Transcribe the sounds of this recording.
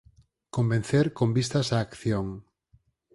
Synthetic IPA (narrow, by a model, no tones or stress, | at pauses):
kombẽn̟θeɾkombist̪asaːkθjoŋ